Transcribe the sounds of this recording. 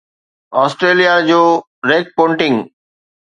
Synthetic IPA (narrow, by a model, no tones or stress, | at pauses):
ɔːsʈɾeːlijad͡ʑoː | ɾeːk̚põːɳʈɪ̃ŋɡ